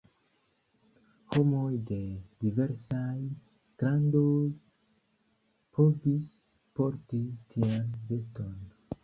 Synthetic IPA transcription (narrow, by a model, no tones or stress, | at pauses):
ho̞mojde̞dive̞ɾsaj | ɡ̥ɾandoj | pʰovis | po̞ɾtitʰianveton